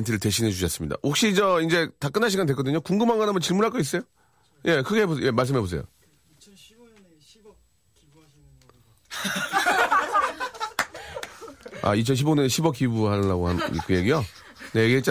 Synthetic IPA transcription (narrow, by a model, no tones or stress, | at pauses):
entʰɯɾɯɭte̞ɕʰinɦe̞t͡ɕuɕʰʌs͈ɯmɲida̰okɕ͈id͡ʑʌind͡ʑe̞tak͈ɯnɦaɕ̬ʰiɡantdwekʌdɯɲokuŋɡɯmaŋɡanɦamʌnt͡ɕiɭmuɾɦaɭk͈ois͈ʌjo | je̞kɯɡeɦebojʔe̞maɭs̬͈ɯmɦebos̬e̞̰jo̰ | a̰it͡ɕʰʌnɕʰiboɲʌnɕʰibwʌkibuaːaɡoɦa̰kɯje̞ɡijo | neɡet͡ɕ͈